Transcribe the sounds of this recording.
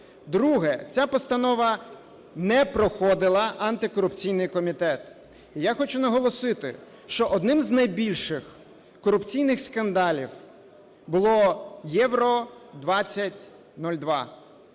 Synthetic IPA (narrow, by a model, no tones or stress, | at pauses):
d̪ɾuɦɛt͡sʲapɔst̪ɐnɔʋɐ | nɛpɾɔxɔd̪ɪlˠɐʔɐnt̪ɪkɔɾʊpt͡sʲijnɪjkɔmʲit̪ɛt̪ | ijaxɔt͡ʃʊnɐɦɔlˠɔsɪt̪ɪ̰ | ʃt͡ʃɔʔɔd̪nɪmznɐjbʲilʲʃɪx | kɔɾʊpt͡sʲijnɪxskɐnd̪ɑlʲḭw | bʊlˠɔjɛʋɾɔd̪ʋɑt͡sʲːɐtʲ | nɔlʲd̪ʋɑ̰